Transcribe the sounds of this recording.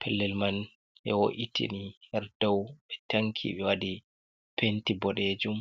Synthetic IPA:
pʰɛlːɛlman | ʔɛ̰woʔitʰḭnihɛɾdɔwɓɛtʰaŋkʰḭɓɛwadi | pentibɔɗed͡ʒum

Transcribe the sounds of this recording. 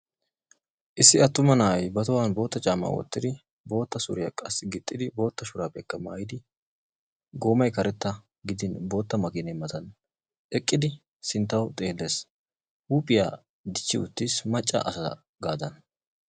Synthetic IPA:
ʔɪsːɪɐt̪ːʊmɐnaːjbɐt̪ɔwanbo̞ːt̪ːɐt͡ʃʼaːma̰wɔ̰t̪ːɪd̪ɪ | bo̞ːt̪ːɐsʊ̰ɾɪjɐkʼɐsːɪɡɪt̪ʼːɪd̪ɪbo̞ːt̪ːɐʃʊɾaːpːɛkːɐmaːjɪd̪ɪ | ɡo̞ːmɐjkɐɾɛt̪ːɐ | ɡɪd̪ɪnbo̞ːt̪ːɐmɐkɪnɛmːɐt̪ɐn | ʔɛkʼːɪd̪ɪ | sɪnt̪ːɐwt̪ʼeːlːeːs | uːpʼɪja̰ː | d̪ɪt͡ʃːɪ̰ʊ̰t̪ːiːsmɐt͡ʃʼːɐ̰ʔɐsɐɐ̰ | ɡaːd̪ɐn

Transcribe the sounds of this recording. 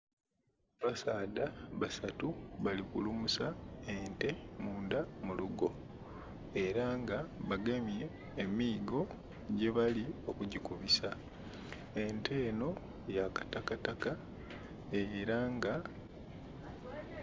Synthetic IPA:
βasaːdaβasatuβalikulumusaente̞muːndamuluɡo̞ | e̞ɾaŋɡaβaɡemje̞ː | miːɡo̞ | ɟe̞βalio̞kuɟikuβisa | e̞ntʰe̞ːno̞ | jakḁtakataka | eɾaŋɡa

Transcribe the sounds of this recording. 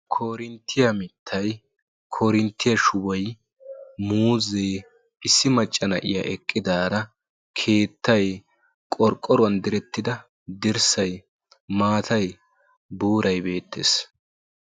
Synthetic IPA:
kʰoːɾɪnt̪ʰːɪjɐmɪt̪ʰːɐj | kʰɔɾɪnt̪ːɪjɐʃʊwɔj | muːze̞ː | ɪsːɪmɐt͡ʃʼːɐnɐʔɪ̰ja̰ʔɛkʼːɪd̪aːɾɐ | kʰe̞ːt̪ːɐj | kʼɔɾkʼːɔɾʊɐnd̪ɪɾɛt̪ːɪd̪ɐ | d̪ɪɾsɐj | maːt̪ʰɐj | buːɾɐjbe̞ːt̪ʰːḛːs

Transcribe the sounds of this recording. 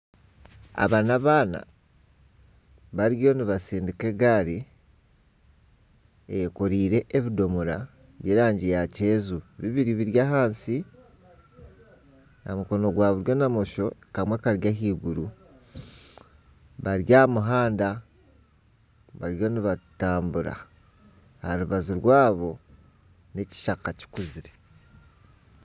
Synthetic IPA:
a̰βanaβaːna̰ | βaɾjo̞niβasiːndike̞ɡaɾi | ejkoɾiːɾe̞ʔeβido̞muɾa | βjeːɾaːɲɟijace̞ːzuβiβiɾiβiɾjaɦaːnsi | amuko̞no̞ɡwaːβuɾjo̞namoʃo̞kamwekaɾjaɦiːɡuɾu | βaɾjamuɦaːnda | βaɾjo̞niβataːmbuɾa̰ | haɾuβaziɾwaːβo̞ | ne̞ci̥ʃakaci̥kuziɾe̞

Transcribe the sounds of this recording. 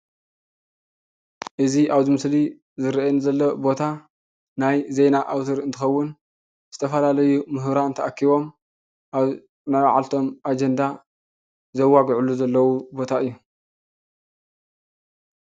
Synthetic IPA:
ʔɨziʔaβzimɨsli | zɨɾʔenzɐlːobo̞t̪ʰa | najze̞naʔawt̪ʰɨɾɨnt̪ʰɨxɐwːʊn | z̥ɨt̪ʰɐfɐlalɐjumɨɦɾaɨnt̪ʰɐʔakʰːiβo̞m | ʔaβ | nawʕa̰lt̪ʰo̞mʔad͡ʒend̪a | zɐwːaɡʕuluzɐlːɐwubo̞t̪ʰaɨjːu

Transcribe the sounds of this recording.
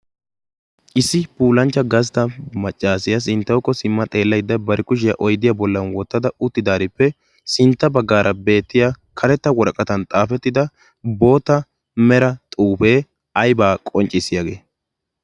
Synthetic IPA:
ʔɪsːɪpuːlɐnt͡ʃːɐɡɐst̪ɐmɐt͡ʃʼːaːsɪjɐs̬ɪnt̪ːɐwkːɔsɪmːɐt̪ʼe̞ːlːɐjd̪ːɐbɐɾɪkʊʃ̬ɪjɐʔɔjd̪ːɪjabɔlːɐnwɔt̪ːɐd̪ɐʊt̪ːɪd̪aːɾɪpːɛ | sɪnt̪ːɐbɐɡːaːɾʔɐbe̞ːt̪ːɪja | kʰɐɾɛt̪ːɐwɔɾkʼɐt̪ɐnt̪ʼaːfɛt̪ːɪd̪ɐ | bo̞ːt̪ːɐ | mɛɾɐt̪ʼuːfeː | ɐjbaːkʼɔnt͡ʃʼɪsɪjaɡe̞̰ː

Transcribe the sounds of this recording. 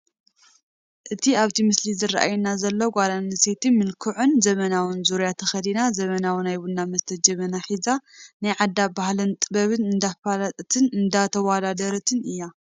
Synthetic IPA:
ʔɨt̪ʰiaβt̪ʰimɨslizɨra̰ʔa̰junazɐlːoɡʷalanɨset̪ɨnmɨlkʰɨʕunzɐmɐnawɨnzuɾjat̪ʰɐxɐd̪inazɐmɐnawɨnajbunːamɐst̪ʰɐd͡ʒɐβɐnaħizanajʕad̪ːabahlɨnt̪ʼɨbɐβɨnɨnd̪afalat̪ʼt̪ʰɨnɨnd̪at̪ʰɐwad̪ad̪ɐɾɐt̪ʰɨnɨjːa

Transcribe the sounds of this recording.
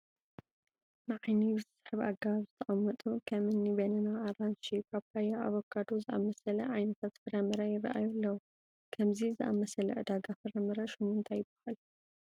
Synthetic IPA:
nɨʕajni̥sħɨβaɡaβzɨt̪ʰɐʔʼɐmːɐt̪ʼukʰɐmɨnːibɐnɐnaːranʃikʰaβkajaʔaβokʰːad̪ozɨʔa̰mɐsɐlɐʕajnɐt̪ʰat̪fɨɾɐmɨɾɐjɛβɐ̰ʔa̰julːɐwu | kʰɐmzizɨʔa̰mɐsɐlɐ̰ʕɨd̪aɡafɨɾɐmɨɾɐʃumɨnt̪ʰajɪbḁhal

